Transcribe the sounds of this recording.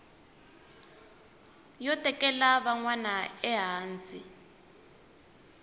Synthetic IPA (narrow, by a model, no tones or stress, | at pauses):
jɔtʼɛkʼɛlaβaŋwanaɛɦaːnt͡si